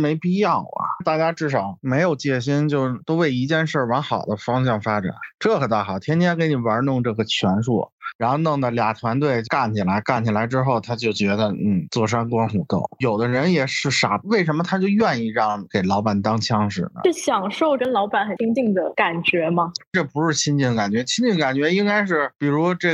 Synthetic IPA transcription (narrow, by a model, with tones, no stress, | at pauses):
me˧˥ɪpi˥˧jɑ˥˩ʊɐ̰˩t̪a˥˧˩t͡ɕja˥ʈ͡ʂɻ̩˥˩ʂɑ˨˩ʊme˧˥ɪjo˨˩ʊt͡ɕjɛ˥˩ɕ̬i˥nt͡ɕjo˥˧ʊt̪o˥ʊwe˥˩ɪi˧˥t͡ɕjɛ˥˧nʂə˞˥˩wa˧˥nxɑ˨˩ʊd̪ə˦fɑ˥ŋɕ̬jɑ˥˩ŋfa˥ʈ͡ʂa̰˨˩˦nʈ͡ʂɤ˥˩xə˨˩nt̪ʰa˥˩xɑ˨˩ʊt̪ʰjɛ˥nt̪ʰjɛ˥ke˧˥ɪni˨˩wa˧˥nʊ˥˧ŋʈ͡ʂɤ˥˩ɡə˩t͡ɕʰɥɛ˧˥nʂṵ˥˩ɻa˧˥nxo˥˧ʊnɤ˧˩ŋd̪ə˩lja̰˨˩t̪ʰwa˧˥nt̪̬we˥˩ɪka˥˩nt͡ɕʰi˨˩la˧˥ɪka˥˩nt͡ɕʰi˨˩la˧˥ɪʈ͡ʂɻ̩˥xo˥˩ʊt̪ʰa˥t͡ɕjo˥˩ʊt͡ɕɥɛ˧˥d̪ə˧n̩˥˩t͡swɔ˥˩ʂ̬wa˥nkwɑ˥nxu˨˥˩t̪o̰˥˩ʊjo˨˩ʊd̪ə˦ɻə˧˥njɛ˨˩ʂɻ̩˥˩ʂa̰˨˧˩we˥˩ɪʂ̬ə˧˥nmə˧t̪ʰa˥t͡ɕjo˥˧ʊɥɛ˥˧ni˥˧ɻɑ˥˩ŋke˨˩ɪlɑ˧˥ʊpa˨˩nt̪ɑ˥ŋt͡ɕʰjɑ˥ŋʂɻ̩̰˨˩nə̰˦˥˩ɕjɑ˨˩ŋʂo˥˧ʊkə˥nlɑ˧˥ʊpa˨˩nxə˨˩˥ŋt͡ɕi˥˩ŋd̪ə˩ka˨˩nt͡ɕɥɛ˧˥mɐ˧ʈ͡ʂɤ˥˩pu˧˥ʂɻ̩˥˧t͡ɕʰi˥ŋt͡ɕi˥˩ŋd̪ə˧ka˨˩nt͡ɕɥɛ˧˥t͡ɕʰi˥ŋt͡ɕi˥˩ŋ˩ka˨˩nt͡ɕɥɛ˧˥i˥ŋka˥ɪʂ̬ɻ̩˥˩pi˨˩ɻu˧˥ɔ˥ʈ͡ʂɤ˥˩